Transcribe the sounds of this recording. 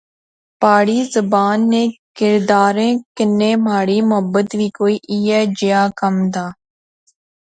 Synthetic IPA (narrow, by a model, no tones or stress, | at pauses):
paːɽiːzəbaːnːẽːkɪɾd̪aːɾẽːkɪnːẽːmaːɽiːmʊɦəbət̪ʋiːkoːiːʔiːɛːd͡ʒɪjaːkəmd̪aː